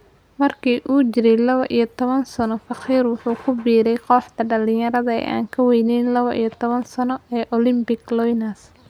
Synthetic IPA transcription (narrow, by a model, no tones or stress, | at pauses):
mɐrkʰiːʔuːt͡ʃɪɾɛjlɐβɔʔijɔt̪ʰɔβɐnsɐnɔfɐqiːrwʊħuːkʰʊbiːɾɛjqɔːħt̪ʰɐɖɐlɪɲjɐɾɐðɐɛ̰jʔa̰ːŋkʰɐwɛjnɛjnlɐβɔʔḭjɔt̪ʰɔβɐnsɐnɔɛːʔɔlɪmbɪɡlɔjnas